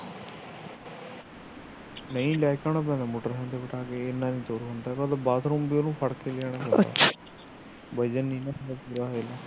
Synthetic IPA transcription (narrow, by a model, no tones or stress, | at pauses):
nəĩːlaːjkaːɳ̃aːp̬ɛ̃nd̪aːmoːʈəɾɦɛ̃ːnd̪eːʋɪʈʰaːkeːɪnːãːnĩːt̪oːɾɦond̪aːkaːd̪abaːt̪ʰɾõːmbioːnũːpʰəɽkeːlɪaːɽ̃ãːpɛ̃a̰ː | bəd͡ʒənːĩːnãːsəd̪aːpiːɾaːɦelaː